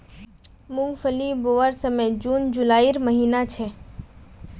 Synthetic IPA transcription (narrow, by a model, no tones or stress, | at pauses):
mʊ̃ŋɡfʰəliboːʋəɾsəmed͡ʒuːnd͡ʒulaːiɾməɦiːnat͡ʃʰɛ